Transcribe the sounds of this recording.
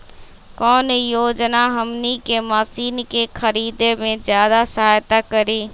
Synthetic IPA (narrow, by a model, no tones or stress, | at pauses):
kɔːnjoːd͡ʒnaɦɐmnikemaːsiːnkexʰəɾiːd̪emẽzjaːd̪asəɦaːjt̪akəɾiː